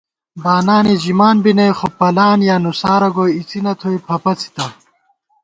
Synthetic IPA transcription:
baːnaːnid͡ʑimaːnbinɐjxopɐlaːnjaːnusaːɾɐɡoːit͡sinɐt̪ʰojpʰɐpɐt͡sʰi̥t̪ɐ

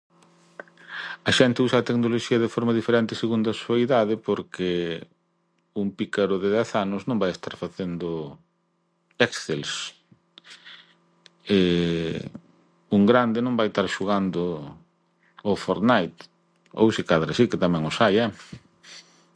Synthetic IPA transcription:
ɐʃɛnt̪ɪusaːt̪eknoloʃiɐðefɔɾmɐðifeɾɛnt̪ɪseɣund̪ɐsuajðaðɪpoɾkɪ | uŋpikaɾʊðɪðɛθanʊsnõmbajest̪aɾfaθend̪ʊ | ɛkθels | e | uŋɡɾand̪ɪnõmbajst̪aɾʃuɣand̪ʊ | ofoɾnajt̪ | o̰wsikaðɾɐsiket̪amɛ̃ŋosajɐ

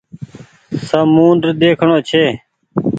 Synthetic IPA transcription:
səmuːnd̪ɾd̪eːkʰɳoːt͡ʃʰeː

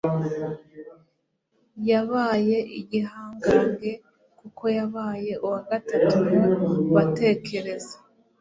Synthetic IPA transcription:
jaβaːje̞ʔiɟiɦaːŋɡaːŋɡe̞ | kukʰo̞jaβaːje̞ʔuwaɡatatu | βate̞ːkʰe̞ɾe̞zḁ

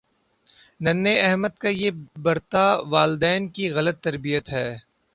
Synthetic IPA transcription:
nɐnːeɛɦməd̪kajebɐɾt̪aʋaːld̪ɛːnkiɣɐlət̪ːɐɾbijət̪ɦɛː

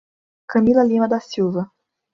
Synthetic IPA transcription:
kɐmilɐlimɐd̪asiwvɐ

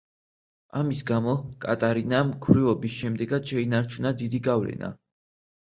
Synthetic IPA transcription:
amisɡamɔkʼa̰t̪ʼaɾinamkʰwɾivɔbisʃɛmd̪ɛɡad̪ʃɛinaɾt͡ʃʰunad̪id̪iɡavlɛ̰na̰

